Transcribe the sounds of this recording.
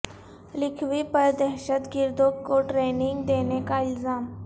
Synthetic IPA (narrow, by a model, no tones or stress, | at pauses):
lɪkʰʋipəɾd̪əɦʃət̪ɡɪɾd̪okkːoʈɾeːnɪŋɡd̪enekaɪlzaːm